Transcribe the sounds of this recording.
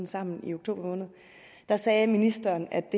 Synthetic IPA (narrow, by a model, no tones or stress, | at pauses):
n̩sɑ̈m̰n̩ḭo̝ɡ̥̚t͡sʰo̝ːb̥ɐmɔ̽ːnð̞̩ˠ | d̥ɑ̈sɛːminisd̥ɐːnæd̥e̝